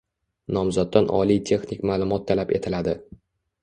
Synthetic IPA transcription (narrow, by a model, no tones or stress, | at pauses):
nɒmzɒd̪̚ːanʔɒ̰lijt̪ʰe̞xnikʲmaːlˠʊmɒt̪ʰːalape̞t̪ʰɪlad̪ɪ